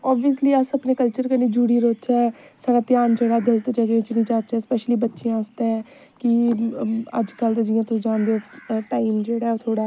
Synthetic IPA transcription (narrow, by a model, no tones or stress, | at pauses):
ɔːbiəsliːəsəpneːkəlt͡ʃəɾkəniːd͡ʒuːɽiːɾoːt͡ʃɛːsaːɽaːt̪ɪjaːnd͡ʒeːɽaːɡələt̪d͡ʒəɡet͡ʃnĩːd͡ʒaːt͡ʃɛːspɛːʃliːbətːʃiãːəst̪eɛ | kɪ | ə̰d͡ʒkəlt̪d͡ʒɪjãːt̪ʊsd͡ʒãːnd̪eoːʈaːimd͡ʒeːɽaːoːt̪ʰoːɽaː